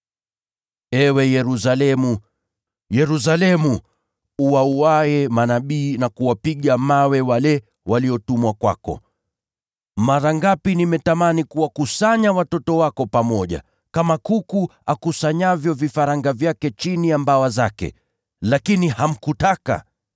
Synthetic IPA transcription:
ɛwɛjɛɾusalɛmu | jɛɾus̬alɛmu | uwauwaɛmanaɓiːnakuwapiɠamawɛwalɛ | waliɔtumwakwa̰kɔ̰ | maɾaŋɡapinimɛtamanikuwakusaɲawatɔtɔwakɔpamɔʄa̰ | kamakukuakusaɲavjɔvifaɾaŋɡavjakɛt͡ʃinijambawazakɛ̰ | lakiniham̩kutaka̰

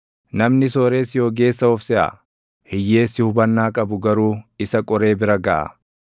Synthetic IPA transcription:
nɐmnɪsoːɾe̞ːsjo̞ːɡe̞ːsːɐɔfsɛʔɐ̰ | hɪjːe̞ːsːɪhʊbɐnːaːkʼɐbʊɡɐɾuːɪsɐkʼɔɾe̞ːbɪɾɐɡɐʔɐ̰

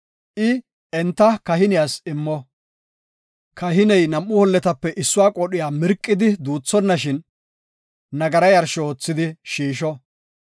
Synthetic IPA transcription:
ʔɪ | ɛnt̪ːɐkɐhɪnɪjaːsɪmːɔ | kɐɦɪnɛjnɐmʔːʊhɔlːɛt̪ɐpːɛʔɪsːʊwaːkʼɔɗɪjaːmɪɾkʼːɪd̪ɪd̪uːt͡sːɔnːɐʃɪn | nɐɡɐɾɐjɐɾʃoːt͡sːɪd̪ɪʃiːʃɔ

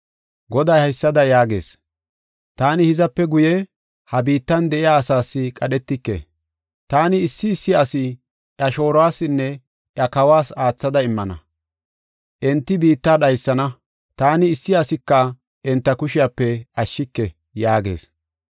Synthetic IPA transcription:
ɡɔd̪ɐjhɐjsːɐd̪ɐjaːɡe̞̰ːs | t̪aːnɪhɪzɐpːɛɡʊjɛ | hɐbiːt̪ːɐnd̪ɛʔɪjaːsaːsːɪkʼɐɗɛt̪ːɪkːḛ | t̪aːnɪːsːɪːsːɪɐsɪ | ʔɐʃo̞ːɾwaːsɪnːɛ | ʔjɐkɐwaːsaːt͡sːɐd̪ɐɪmːɐnɐ̰ | ʔɛnt̪ːɪbiːt̪ːaːɗɐjsːɐnɐ | t̪aːnɪːsːɪɐsɪkːɐ | ʔɛnt̪ːɐkʊʃɪjapːɛɐʃːɪkːɛ | jaːɡe̞̰ːs

